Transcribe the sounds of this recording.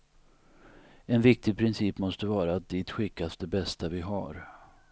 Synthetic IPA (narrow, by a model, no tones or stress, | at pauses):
ɛnvɪk̚t̪ɪɡ̚pʰɾɪnsiːpmɔst̪əvɑːɾat̪̚d̪iːt̪ɧɪkːas̚d̪ɛbɛst̪avɪɦaɾ